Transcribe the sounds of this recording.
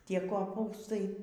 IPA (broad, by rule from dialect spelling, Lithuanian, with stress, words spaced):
ˈtʲiɛ koːˈpuːstɐɪ